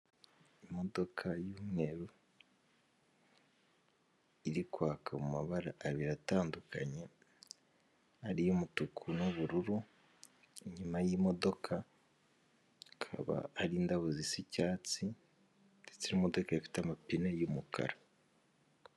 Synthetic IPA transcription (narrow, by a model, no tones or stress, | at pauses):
imo̞do̞kʰajuːmŋe̞ɾu | iɾikwaːkʰamumaβaɾaʔːβiɾataːndukʰaɲe̞ | aɾijumutukʰunoβuɾuɾu | iɲumajimo̞do̞kʰa | kʰa̰βa̰aɾiːndaβuzisicaːt͡si | et͡siɾimo̞do̞kaifi̥tamapinejumukʰa̰ɾa